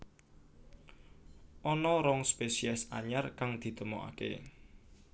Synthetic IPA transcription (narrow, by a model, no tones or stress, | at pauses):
ʔɔnɔɾɔŋspesiɛsa̰ɲarkaŋd̪̥i̤t̪əmoʔa̰kḛ